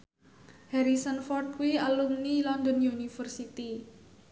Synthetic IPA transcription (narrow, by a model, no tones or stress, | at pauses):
hɛɾisənfɔrt̪̚kuwialumnilɔnd̪ɔnjunifərsit̪i